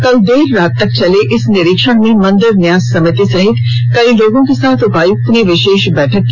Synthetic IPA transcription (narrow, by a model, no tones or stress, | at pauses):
kɐld̪eːɾːaːt̪ːɐk̚t͡ʃɐleʔɪsnɪɾɪkʃəɽ̃mẽmɐ̃nd̪əɾnjaːzsɐmɪt̪isɐɦɪt̪ | kɐiloːɡõkesaːt̪ʰʊpaːjut̪niʋɪʃeːʃbɛːʈʰək